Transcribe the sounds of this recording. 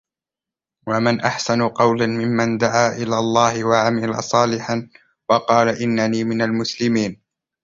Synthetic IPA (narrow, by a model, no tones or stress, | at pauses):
wamɪnʔaħsanʊqɑwlanmɪmːand̪aʕaːʔɪlaːlˤːɑːhɪwaʕamɪla̰sˤɑːlɪħan | wɑqɑːlaʔɪnːaniːmɪnalmʊslɪmiːn